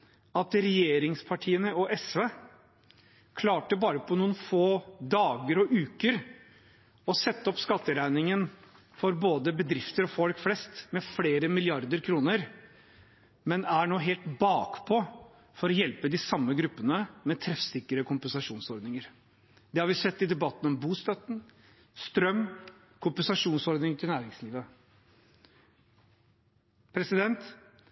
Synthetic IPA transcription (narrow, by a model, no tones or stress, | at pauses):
ɑt̪ɾɛjeːɾɪŋspʰɑʈʰiːənəɔʔɛsʋeː | kʰlɑːʈəbɑːɾəpʰɔnuːənfoːd̪ɑːɡəɾɔʔʉːkəɾ | ɔsɛt̪ːəɔpskɑt̪ːəɾæɪnɪŋən | fɔɾboːd̪əbəd̪ɾɪft̪əɾɔfɔlkflɛst̪mɛfleːɾəmɪlɪɑɾd̪əɾkʰɾuːnəɾ | mɛnæɳoːɦeːlt̪bɑːkpʰɔ | fɔɾɔjɛlpəd̪ɪsɑmːəɡɾʉpːənəmɛt̪ʰɾɛfsɪkːəɾəkʰʊmpənsɑʂuːnsɔɾd̪nɪŋəɾ | d̪̥ɛhɑɾʋɪsɛt̪ːɪd̪ɛbɑt̪ːn̩ɔmbuːst̪œt̪ːn̩ | st̪ɾœmː | kʰʊmpɛnsɑʂuːnsɔɾd̪nɪŋt̪ʰɪlnæːɾɪŋsliːʋə | pʰɾɛsɪd̪ɛnt̪